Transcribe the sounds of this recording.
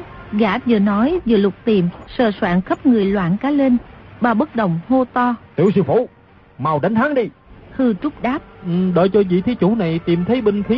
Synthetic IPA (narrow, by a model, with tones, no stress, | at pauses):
ɣaː˧˥t̚zɨː˧˩nɔ˨˦jzɨ̰˧˨˩lʊ˨˩k͡p̚t̪i˨˩msə̰ː˧˨˩swaː˧˥˨nxə˦˥p̚ŋɨ˨˩əjlwa̰ː˧˥˨nkaː˨˦le˧nɓaː˨˩ɓə˦˥t̚ɗə˨˩wŋ͡mho˧t̪ɔ˧t̪ḭ˨˧˩əwsɨ˧˩fṵ˧˩ | maː˨˩wɗa˨˦ŋ̟t̪ʰaː˨˦ŋɗi˧hɨ˧t͡ɕʊ˦˥k͡p̚ɗaː˦˥p̚ʔɨ˨˩ɗəː˨˩jt͡ɕɔ˧vḭ˧˨t̪ʰi˨˦t͡ɕu˧˩na˨˩jt̪i˨˩mt̪ʰə˨˦jɓï˧ŋ̟xʰi˨˦